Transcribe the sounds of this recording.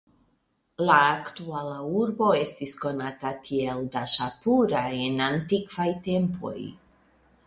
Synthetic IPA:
laːktualauɾbo̞e̞stisko̞natakʰieldaʃapuɾajenantikvajte̞mpʰo̞̰j

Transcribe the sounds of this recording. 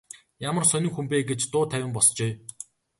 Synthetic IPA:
jamə̆rsœnɪ̆ŋxumpeːɡet͡ɕt̪ʊːt̪ʰæwʲɪ̆mpɔst͡ɕeː

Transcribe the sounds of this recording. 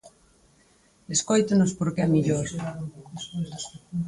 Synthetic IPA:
eskojt̪ʊnʊspoɾkemiʎoɾ

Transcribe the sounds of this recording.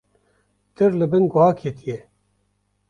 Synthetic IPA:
t̪ɨɾlɨbɨnɡʊhɑːkʰet̪ije

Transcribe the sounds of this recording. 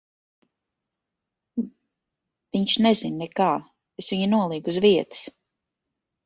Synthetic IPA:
viɲʃnezinːɛkaː | esviɲinuɔlˠiːɡuzviɛt̪ɨ̥s

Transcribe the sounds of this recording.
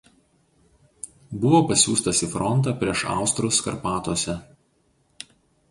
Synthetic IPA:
bʊʋoːpɐsʲuːst̪ɐsʲiːˑfɾɔnt̪ɑːpʲɾʲiɛʃɑ̰ˑʊst̪ɾʊskɐ̰ɾpɑːt̪oːsʲɛ

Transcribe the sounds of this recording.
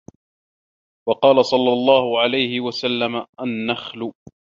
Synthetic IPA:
wɑqɑːlasˤɑlːɑlˤːɑːhʊʕalajhɪwasalːamaʔanːaxlʊ

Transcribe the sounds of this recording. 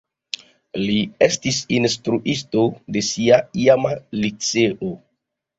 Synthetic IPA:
liestisinstɾuʔisto̞de̞siaiamalit͡seʔo

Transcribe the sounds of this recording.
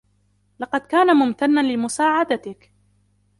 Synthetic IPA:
lɑqɑd̪kaːnamʊmt̪anːalɪmʊsaːʕad̪at̪ɪk

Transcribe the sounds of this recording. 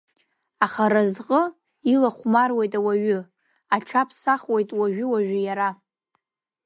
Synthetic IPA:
aχaɾazqʼə | ilaχʷmarwejtʼawaɥʊ | aʈ͡ʂʷʰapʰsaχwejtʼwaʒᶣʊwaʒʷᶣʊjaɾa

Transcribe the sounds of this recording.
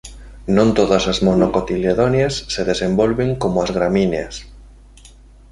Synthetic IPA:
nõnt̪oðɐsazmonokot̪ileðonjasːeðesembolβeŋkomoazɣɾamineas

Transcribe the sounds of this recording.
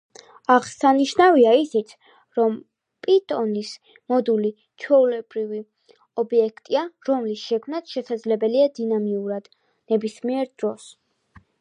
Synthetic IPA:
aʁsaniʃnaviaisit̪sʰ | ɾɔm | pʼit̪ʼɔnis | mɔd̪uli | t͡ʃʰwɛulɛbɾivi | ɔbiɛkʰt̪ʼiaɾɔmlisʃɛkʰmnat̪ʰʃɛsad̪zlɛbɛliad̪inamiuɾad̪̥ | nɛbismiɛɾd̪̥ɾɔs

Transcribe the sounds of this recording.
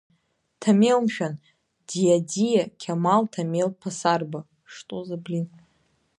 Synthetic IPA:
tʰamewmʃᶣan | dijadijakʲʰamaltʰamelpʰasarba | ʂtʼozablin

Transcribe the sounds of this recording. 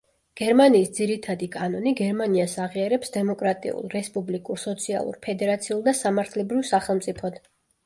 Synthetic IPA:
ɡ̥ɛɾmaniːsd̪ziɾit̪ʰad̪ikʼanɔniɡɛɾmaniasaʁiaɾɛpsd̪ɛmɔkʼɾat̪ʼḭṵlˠɾɛspʼublikʼuɾsɔt̪sʰia̰lˠṵɾpʰɛd̪ɛɾat̪sʰiulˠd̪asamaɾt̪ʰlɛbɾivsaχɛlˠmt̪ʼipʰɔd̪̥

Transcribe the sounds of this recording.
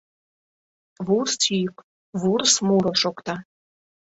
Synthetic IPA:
βurst͡syjk | βursmuɾoʃokt̪ɑ

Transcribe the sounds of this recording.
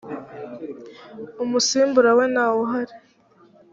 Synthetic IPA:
umusiːmbuɾawe̞naːwoɦaɾi

